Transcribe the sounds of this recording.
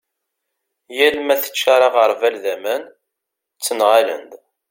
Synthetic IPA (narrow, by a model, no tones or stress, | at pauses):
jælmæθə̥t͡ʃːaɾˤɑʁəɾˤvælðæmæn | t͡sːənʁalə̰nd̪